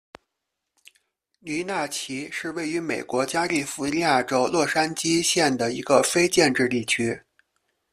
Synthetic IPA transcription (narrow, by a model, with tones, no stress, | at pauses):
ny˧˥na˥˩t͡ɕʰi˧˥ʂɻ̩˥˧we˥˩ɪy˧˥me˨˩ɪkwɔ˧˥t͡ɕja˥li˥˩fu˧˥li˥ja˥˩ʈ͡ʂo˥ʊlwɔ˥˩ʂa˥nt͡ɕi˥ɕjɛ˥˩nd̪ə˩i˧˥ɡə˧fe˥ɪt͡ɕjɛ˥˧nʈ͡ʂɻ̩˥˧t̪i˥˩t͡ɕʰy˥